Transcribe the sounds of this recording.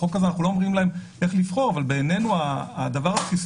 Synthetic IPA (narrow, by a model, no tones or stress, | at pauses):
okːazeanaχulo̞omʁimlae̞mʔe̞χlifχo̞ʁavalbe̞ːnenuaːd̪avaʁatkis